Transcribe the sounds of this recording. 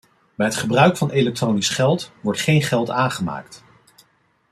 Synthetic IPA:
bɛjɦətχəbrœɥkfɑnʔelɛk̚trownisχɛlˠtʋɔɹtχejnχɛlˠtaːnχəma̰ːkt

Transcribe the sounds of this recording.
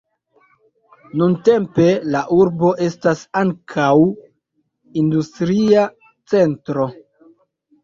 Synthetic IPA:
nunte̞mpe̞laʔuɾbo̞ʔe̞stasaŋkʰaw | industɾia | t͡se̞ntɾo̞

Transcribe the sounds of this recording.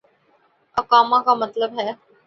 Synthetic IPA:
ɐkaːmãkamɐt̪ləbɦɛː

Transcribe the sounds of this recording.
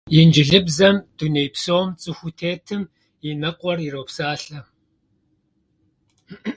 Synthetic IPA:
jɪnd͡ʒɪɮɨbzɐmd̥uneːjpsoːmt͡sʼɨxʷutʰeːtʰɨm | jinɐqʷʼɔriroːpsaːɬɐ

